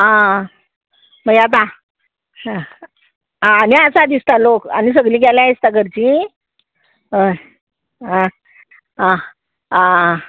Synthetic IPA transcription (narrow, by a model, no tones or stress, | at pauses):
ɦã | məat̪̬a | ãːniasad̪ist̪aloka̰nis̬əɡlĩːɡaljãist̪akəɾt͡ɕi | ɦə | ɦã | ã | ã